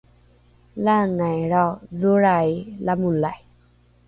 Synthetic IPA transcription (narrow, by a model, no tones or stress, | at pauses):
laŋajɾaðuɾajlamulaj